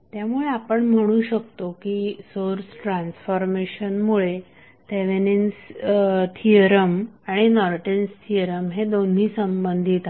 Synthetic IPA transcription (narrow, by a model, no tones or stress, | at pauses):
t̪jamuɭeapəɳm̤əɽ̃uːɕək̚t̪okiːsoɾsʈɾãnsfɔɾmeɕənmuɭe | t̪eʋenens | t̪ʰiəɾəmaɽ̃inɔɾʈenst̪ʰiəɾəmɦed̪on̤iːsəmbənd̪ʱit̪